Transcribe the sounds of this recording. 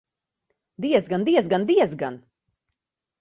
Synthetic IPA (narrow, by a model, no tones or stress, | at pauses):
d̪iɛzɡand̪iɛzɡand̪iɛzɡa̰n